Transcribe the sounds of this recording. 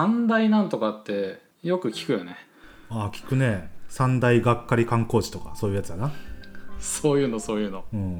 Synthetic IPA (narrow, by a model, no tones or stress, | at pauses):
ãnd̪ainãnt̪o̞kat̪ːe̞ | jo̞kɯ̟kʲi̥kɯ̟jone | aːkʲi̥kɯ̟ne̞sãnd̪aiɡakːaɾʲikãŋko̞ːʑi̥t̪o̞ka̰so̞ːjɯ̟jat͡sɨd̪ana | so̞ːjɯ̟ːno̞so̞ːjɯ̟ːno̞ɯ̟̃ː